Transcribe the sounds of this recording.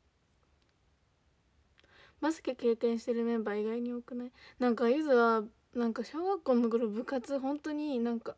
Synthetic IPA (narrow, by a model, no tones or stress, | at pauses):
masɨ̥kʲeke̞ːkẽ̞ɰ̃ɕi̥t̪e̞ɾɯ̟mẽmbaiɡaiɲ̟iokɯ̟nainãŋkajɯzɨβa | nãŋkaɕo̞ːɡakːoːnːokɯɾobɯ̟kat͡sɨɦõ̞nt̪o̞ɲ̟inãŋka